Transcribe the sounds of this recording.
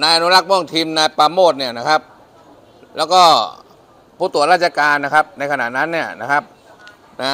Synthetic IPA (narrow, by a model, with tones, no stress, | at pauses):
naː˧jʔa˧nu˦˥ɾa˦˥k̚mɔ˥˩ŋt̪ʰiː˧mnaː˧jpaː˧moː˥˩t̪̚ni˥˩ɐna˦˥kʰa˦˥p̚ | lɛː˦˥wkɔː˥˩ | pʰuː˥˩t̪u˨˦ɾaː˥˩t͡ɕa˧kaː˧nːa˦˥kʰa˦˥p̚na˧jkʰa˧na̰˨˩t̪na˦˥nːi˥˩ɐna˦˥kʰa˦˥p̚ | na˦